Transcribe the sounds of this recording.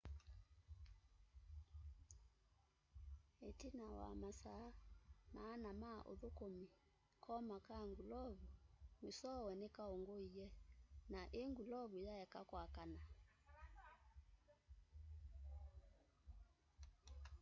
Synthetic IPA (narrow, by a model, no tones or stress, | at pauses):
etinawa̰masanaːnama̰ʔo̰ðokomi | kʰɔmakaŋɡulɔβumesɔwɛnɛkaoŋɡoijɛnaʔeŋɡulɔβujajɛkakwakana